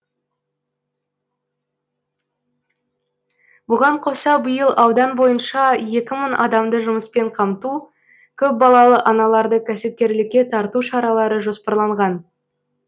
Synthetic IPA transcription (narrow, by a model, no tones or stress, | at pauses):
bʊʁɑɴqʰo̞sɑbəjəlˠʔɑwd̪ɑnbo̞jənʃɑje̞kʲɪmənʔɑd̪ɑmd̪əʒʊməspe̞ɴqʰɑmt̪u | kʲʰɵp̚bɑlˠɑlˠəʔɑnɑlˠɑɾd̪əkʲʰæsɪp̚kʲe̞ɾlɪkʲːe̞t̪ʰɑɾt̪uʃɑɾɑlˠɑɾəʒo̞spɑɾlˠɑɴʁɑn